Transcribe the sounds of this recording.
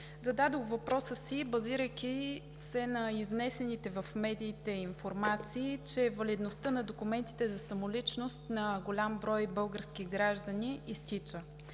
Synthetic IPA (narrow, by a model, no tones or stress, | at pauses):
zɐd̪ad̪oxvɐpɾɔsəsibɐziɾəjkʲi | sɛnɐiznɛsɛnit̪ɛvɐfmɛd̪iːt̪ɛinfoɾmat̪siːt͡ʃɛvɐlid̪nost̪ənɐd̪okumɛnt̪i̥t̪ɛzɐsɐmolit͡ʃnost̪nɐɡolʲambɾɔjbɤlˠɡəɾskiɡɾaʒd̪əniːst̪it͡ʃə